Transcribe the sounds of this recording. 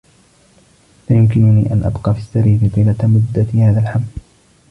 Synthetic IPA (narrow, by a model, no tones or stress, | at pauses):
laːjʊmkɪnʊniːʔanʔa̰bqɑːfiːsːaɾiːfɪt̪iːlat̪mʊd̪ːahaːðalħaml